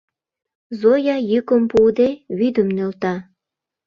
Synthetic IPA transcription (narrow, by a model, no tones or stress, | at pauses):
zojɑjykəmpud̪eβyd̪əmnølt̪ɑ